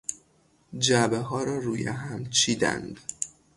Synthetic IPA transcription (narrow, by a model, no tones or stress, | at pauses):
d͡ʒæbeɦɒːɾɒːɾuːjḛɦæmt͡ʃʰiːd̪æ̰nd̪̥